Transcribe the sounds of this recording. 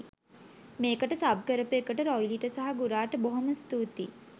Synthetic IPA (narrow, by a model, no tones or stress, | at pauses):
meːkəʈəsab̚kəɾəpːkəʈəɾɔjliʈəsaɦaɡuɾaːʈəboɦoməst̪uːt̪i